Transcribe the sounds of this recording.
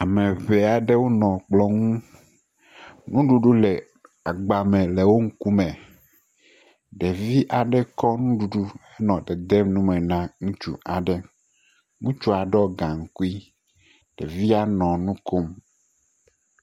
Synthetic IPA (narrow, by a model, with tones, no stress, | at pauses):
a˨mɛ̃˨βe˨a˨ɖe˦wo˦nɔ̃˨k͡plɔ˦ŋũ˦ | nũ˦ɖu˨ɖu˦lɛ˨ | a˨ɡ͡ba˨mɛ̃˨le˨wo˦ŋ̩˦ku˦mɛ̃˨ | ɖɛ˨vi˦ʔa˨ɖɛ˦kɔ˦nũ˦ɖu˨ɖu˦e˦nɔ̃˨ɖɛ˨d̪ɛ˦mnũ˦mɛ˨nã˦ŋũ˦t͡ʃṵ˨a˨ɖɛ˦ | ŋũ˦t͡ʃu˦a˨ɖɛ˦ɔ˦ɡã˨ŋ̩˦ku˦i˦ | ɖ̥e˨vi˦a˦nɔ̃˨nũ˦ko˦m